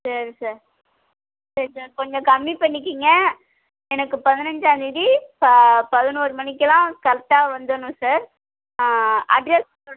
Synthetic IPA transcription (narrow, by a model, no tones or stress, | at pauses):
sɐɾisaːɾ | sɐɾisaːɾkɔɲd͡ʒɐ̃kɐmːipɐɳːɪk̬ːiːŋɡɐ | ɛnɐkːɯpɐðɪnɐɲd͡ʒaːd̪ɪðippɐðɪnuːɾɯmɐnɪkːɐlãːkɐɾɐt̪ːaːʋɐnd̪ɯnʊ̃saːɾ | ɐ̰ɖɾɛs | oːɽ